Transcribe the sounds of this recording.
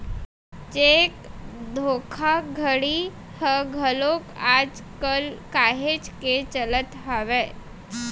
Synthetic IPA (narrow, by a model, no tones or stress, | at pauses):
t͡ɕekd̪ʱokʰaɡʱəɽi | həɡʱəlokad͡zkəlkaɦet͡ɕket͡ɕələt̪ɦaʋe